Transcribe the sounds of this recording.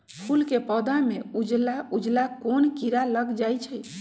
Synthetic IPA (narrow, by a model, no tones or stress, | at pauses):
pʰulkepɔd̪ameud͡ʒlaud͡ʒlakonkiɾaləɡd͡ʒajt͡ʃʰəj